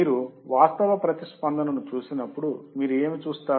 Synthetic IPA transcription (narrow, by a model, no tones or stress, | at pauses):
iːɾuʋaːst̪ɐʋɐpɾɐt̪ispɐnd̪ʱɐnɐnut͡ʃuːsinɐpːuɽumiːɾue̞ːmit͡ʃuːst̪aː